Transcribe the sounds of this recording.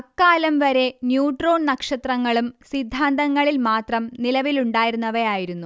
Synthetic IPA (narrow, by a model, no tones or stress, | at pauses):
ɐkːaːlɐmʋɐɾe̞njuːʈro̞ːnnɐkʂɐt̪rɐŋːɐɭumsid̪ʱːaːnd̪ɐŋːɐɭilmaːt̪rɐmnilɐʋiluɳɖaːjiɾunːɐʋɐjaːjiɾunːu